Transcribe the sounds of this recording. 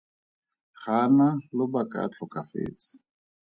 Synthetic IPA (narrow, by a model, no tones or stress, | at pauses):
χanalʊbakʼa̰t͡ɬʰɔkʼafḛːt͡sɪ̥